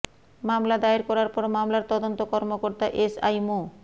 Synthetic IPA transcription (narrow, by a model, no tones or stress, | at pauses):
mamlad̪aeɾkɔɾaɾpɔɾmamlaɾt̪ɔd̪ont̪okɔɾmokoɾt̪aʔesa̰jmo